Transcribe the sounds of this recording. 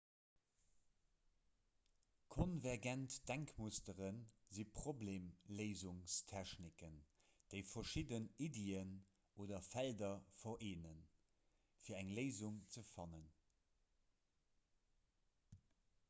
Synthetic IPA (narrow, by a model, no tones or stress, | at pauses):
kʰonvæɐʁɡæntd̥æŋkmustəʁənzipʁ̥obleːmləɪzuŋstʰɛʃnikən | d̥əɪfɐʃidənideːən | oːdɐfældɐfɐʔeːnən | fiːɐæŋləɪzuŋt͡səfɑnən